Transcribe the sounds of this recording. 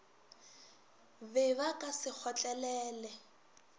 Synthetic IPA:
bɛβakʼasɪk͡xʰɔt͡ɬʼɛlɛːlɛ

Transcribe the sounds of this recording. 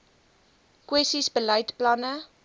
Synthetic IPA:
kwɛstisbəlɛjtplɐnə

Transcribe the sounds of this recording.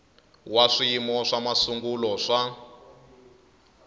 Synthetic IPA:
waʂimɔʂamasuŋɡulɔʂa

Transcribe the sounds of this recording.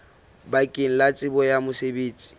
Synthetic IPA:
bakʼɪŋ̩lat͡sʼɪbɔjamʊsebeːt͡sʼi̥

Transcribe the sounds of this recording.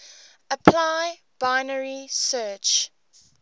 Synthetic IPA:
əpʰlaɪ | b̥aɪnəɹisɜːt͡ʃ

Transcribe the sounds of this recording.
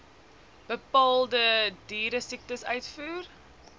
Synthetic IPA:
b̥əpɑːlˠdədiːɾəsik̚təsœɥtfuːr

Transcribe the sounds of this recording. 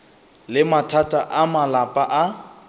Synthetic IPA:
lɪmatʰatʼaʔamalapʼaʔa

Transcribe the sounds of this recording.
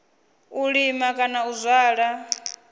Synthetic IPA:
uɺimakʼanauzʷaːɺa

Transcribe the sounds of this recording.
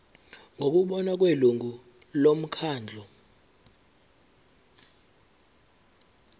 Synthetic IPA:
ŋʱok̬uɓɔnak̬ʼweluŋʱu | lom̩kʰaːnd͡ɮʱɔ

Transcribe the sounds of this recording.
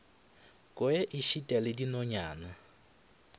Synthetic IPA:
kʼɔeʔiʃitʼɛlɪdinɔɲaːna

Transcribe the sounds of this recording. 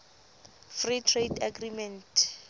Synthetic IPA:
fritʰredaɡrimɛntʰ

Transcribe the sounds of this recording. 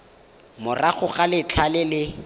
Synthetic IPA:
mʊraχʊχalɪt͡ɬʰalɪlɪ

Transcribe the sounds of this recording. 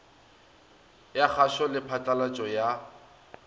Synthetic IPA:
jak͡xʰaʃɔlɪpʰat͡ɬʼalat͡ʃʼɔja

